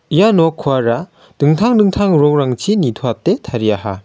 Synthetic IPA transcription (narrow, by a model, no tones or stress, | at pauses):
ijanɔkʰuaɾa | d̥ɯŋtʰaŋdɯŋtʰaŋɾɔŋɾaŋt͡ʃʰinitʰoatːetʰaɾijaɦa